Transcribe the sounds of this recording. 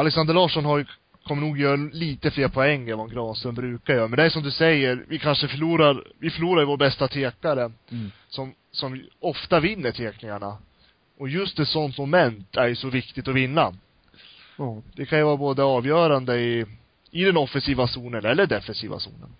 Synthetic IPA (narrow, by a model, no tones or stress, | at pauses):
alɛksand̪əɭɑːʂɔnɦaɾjɵ | kʰɔmːəɳuːɡjœːɾliːt̪əfleːɾpʰɔɛŋːɛvanɡɾɑːnsɵnbɾʉ̟ːkaɾjœːɾmɛnd̪ɛæːʂɔmd̪ɵsɛjːəɾvɪkʰanʂəfœɭuːɾaɾvɪfœɭuːɾajɵvoːɾbɛst̪at̪ʰeːkaɾə | sɔm | sɔmɔft̪avɪnːəʈʰeːknɪŋaɳa | ɔjɵst̪ɛt̪sɔnt̪mʊmɛnt̪ʰæɾjɵsɔvɪkt̪ɪt̪ɔvɪnːa | d̪̥ɛkʰanjʉvɑːɾaboːd̪əɑːvjœːɾand̪əɪ | ɪd̪ɛnɔfːɛnsiːvasuːnənɛlːəɖɛfːɛnsḭːva̰sṵːnə̰n